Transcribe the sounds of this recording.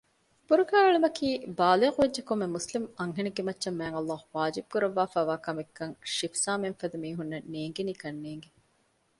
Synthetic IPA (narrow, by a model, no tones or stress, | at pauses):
b̥uɾuɡaːɐɭemɐkʰiːbaːleːquʋedd͡ʒekomːemuslimɐŋɦenɐɡemɐtːʃɐmːæːŋɐlˠːaːhuʋaːd͡ʒib̚kuɾɐʋːaːfæːʋaːkɐmekːɐŋʃifsaːmenfɐd̪umiːɦunːɐnːeːŋɡeniːkɐnːeːŋɡe